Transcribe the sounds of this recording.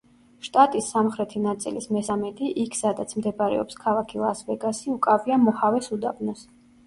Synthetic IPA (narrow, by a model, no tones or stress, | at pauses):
ʃt̪ʼat̪ʼisːamχɾɛt̪ʰinat̪sʼḭlismɛsamɛt̪ʼiʔikʰsad̪at̪sʰmd̪ɛbaɾɛ̰ɔ̰pskʰalˠakʰilˠasvɛɡasiukʼaviamɔhavɛsud̪a̰bnɔs